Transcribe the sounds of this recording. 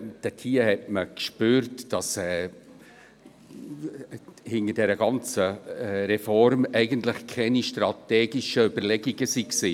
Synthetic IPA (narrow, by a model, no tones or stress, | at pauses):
d̥ɛtʰiːəhɛtməkʃpøːɾtd̥ɑsɛ | hɪnədɛɾəɡɑnt͡səɾɛfɔrmɛɪɡəntləxkʰɛniʃtɾɑt̪ɛːɡɪʃəʏbəlɛɡiɡəsiksiː